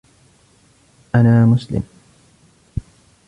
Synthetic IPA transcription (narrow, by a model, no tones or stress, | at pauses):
ʔanaːmʊslɪ̰m